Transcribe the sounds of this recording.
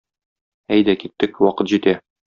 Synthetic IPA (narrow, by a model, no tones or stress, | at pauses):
æjd̪ækit̪ːɘkwɒqɤt̪ʑit̪æ